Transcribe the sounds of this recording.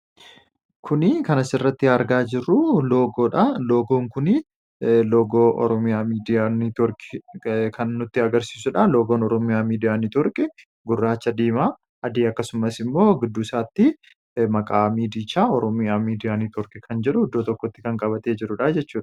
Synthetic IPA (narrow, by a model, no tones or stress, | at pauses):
kʰʊnɪkɐnɐsɪrːɐt̪ːɪɐɾɡaːd͡ʒɪɾːʊlo̞ːɡo̞ːᶑɐlo̞ːɡoːŋkʊnɪ | lo̞ːɡo̞ːʔɔ̰ɾɔmɪjaːmiːd̪ɪjaːnɪt̪ɔɾkʼɪ̥kʰɐnːʊt̪ːɪɐɡɐɾsi̥ːsʊᶑalo̞ːɡoːnɔɾɔmɪjaːmiːd̪ɪjaːnɪt̪ɔɾkʼɪ | ɡʊrːaːt͡ʃːɐd̪iːmaː | ʔɐd̪iːɐkːɐsʊmɐsɪmːo̞ːɡɪd̪ːʊsaːt̪ːɪ | mɐkʼaːmiːd̪iːt͡ʃːaːɔɾɔmɪjaːmiːd̪ɪjaːnɪt̪ɔɾkʼɪkʰɐnd͡ʒɛᶑʊhʊd̪ːoːt̪ɔkːɔt̪ːɪkɐŋkʼɐbɐt̪e̞ːd͡ʒɪɾʊᶑaːd͡ʒɛt͡ʃːuːᶑɐ̥